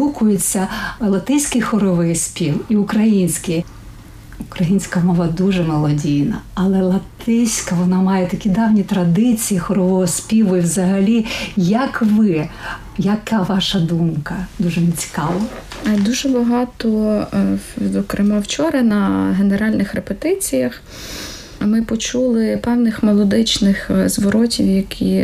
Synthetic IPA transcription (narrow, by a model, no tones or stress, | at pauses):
ukʊjet͡sʲːɐlˠɐt̪ɪsʲkɪjxɔɾɔʋɪjsʲpʲiwiʊkɾɐjinʲsʲkɪj | ʊkɾɐjinʲsʲkɐmɔʋɐd̪uʒɛmɔlˠɔdʲijnɐ̰ɐlˠɛlˠɐt̪ɪsʲkɐʋɔnɑmɑjɛt̪ɐkʲid̪ɑwnʲit̪ɾɐd̪ɪt͡sʲijixɔɾɔʋɔɦɔsʲpʲiʋʊiwzɐɦɐlʲijɐkʋɪ | jɐkɑʋɑʃɐd̪umkɐd̪uʒɛnɪt͡sʲi̥kɑʋɐd̪uʒɛbɐɦɑt̪ɔ | zɔkɾɪmɑwt͡ʃɔɾɐnɐɦeneɾɑlʲnɪxɾepet̪ɪt͡sʲijɐx | mɪpɔt͡ʃulˠɪpɛwnɪxmelˠɔd̪ɪt͡ʃnɪxzʋɔɾɔtʲiwjɐkʲʰi